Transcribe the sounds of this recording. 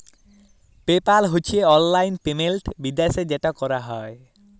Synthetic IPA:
pepalɦot͡ɕʰieɔnlajnpemelʈbid̪ased͡ʑeʈakɔɾaɦɔe

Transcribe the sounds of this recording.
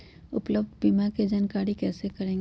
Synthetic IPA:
ʊ̰pləbd̪biːmãked͡ʒənkaːɽikɛːsekɐɾẽːŋɡe

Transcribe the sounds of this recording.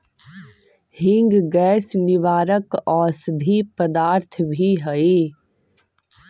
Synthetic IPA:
hɪ̃ŋɡɡɛːsnɪʋaːɾəkɔːɾsəd̪ʱipəd̪aːɾt̪ʰbʱiɦəe

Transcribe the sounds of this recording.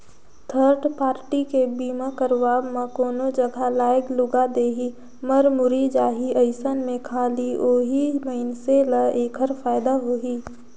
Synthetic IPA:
t̪ʰəɾɖpaːɾʈikebiːmãkəɾʋaːbmãkoːnod͡ʒəɡʱalaːɪɡlʊɡad̪eːɦi | məɾmʊɾid͡ʒaːɦiəɪsənmẽkʰaːlioːɦiməɪnselaeːkʰəɾfaːɪd̪aɦoːɦiː

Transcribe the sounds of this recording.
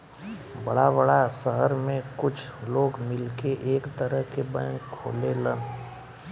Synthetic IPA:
bəɽabəɽasəɦəɾmẽkʊt͡ʃʰloːɡmɪlkeʔeːkt̪əɾəɦkebã̰ːkʰːo̰ːlelə̃n

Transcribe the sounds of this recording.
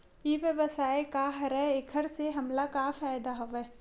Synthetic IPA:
iʋjəbəsaːekaɦɐɾɛekʰəɾseɦɐmlakafaːjd̪aɦɐʋeː

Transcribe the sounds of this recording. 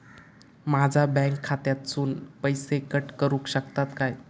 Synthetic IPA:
mad͡zʱabɛ̃ŋkʰːat̪jat̪suːnpəjsekəʈkəɾũkɕəkt̪at̪kaj

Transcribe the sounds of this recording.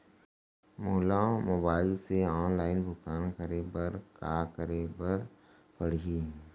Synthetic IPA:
moːɦlamoːbaːɪlseɔːnlaːɪnbʱʊkaːnkəɾebəɾkaːkəɾebəɾ | pəɽ̤i

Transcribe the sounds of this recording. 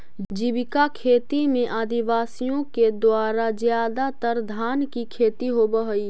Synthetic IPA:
d͡ʒibɪkakʰeːt̪imẽʔaːd̪iʋaːsijõked̪waːɾazjaːd̪at̪əɾd̪ʱaːnkikʰeːt̪iɦobəɦəi

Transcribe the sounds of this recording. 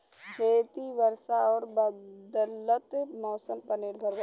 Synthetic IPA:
d͡ʒeːt̪iʋɐɾʃaɔːɾbd̪ələt̪mɔːsəmpɐɾnɪɾbʱəɾʋa

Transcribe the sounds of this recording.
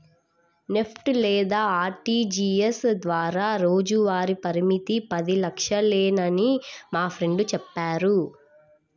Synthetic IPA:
ne̞pʰʈlɛːd̪aːɾʈiːd͡ʒiːesd̪ʋaːɾaːɾo̞ːd͡ʒuʋaːɾipɐɾimit̪ipɐd̪ilɐkʂɐleːnɐnimaːpʰɾe̞ɳɖut͡ʃɛpːaːɾu

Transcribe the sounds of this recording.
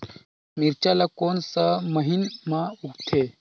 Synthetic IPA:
miɾt͡ʃalakoːnsəməɦinmãukt̪ʰe

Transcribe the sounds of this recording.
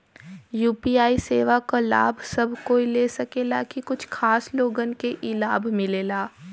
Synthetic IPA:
juːpiːaːiseːʋakala̰ːbʱsɐbʱkoːileːsɐkeːlakikʊt͡ʃʰkʰaːsloːɡənkeʔɪlaːbʱmɪleːlaː

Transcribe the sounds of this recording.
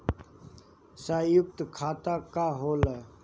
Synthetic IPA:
saːjʊk̚t̪kʰaːt̪aːkaːɦoːla

